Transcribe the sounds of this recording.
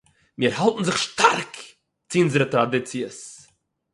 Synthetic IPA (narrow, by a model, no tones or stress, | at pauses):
miəɾhalˠtn̩zɪχʃtʰaɾk | t͡sɪunzəɾətɾadɪt͡siəs